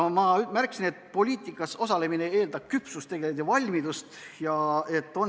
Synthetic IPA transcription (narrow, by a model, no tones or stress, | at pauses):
mɑmærksine̞t̪̚ːˑpo̞lʲiːt̪ˑikːˑɑsosɑle̞minee̞ːld̪ɑb̥̚kypsust̪ːe̞ɡ̥e̞lit̪ːevɑlʲmid̪̥ust̪jɑe̞t̪ːˑo̞n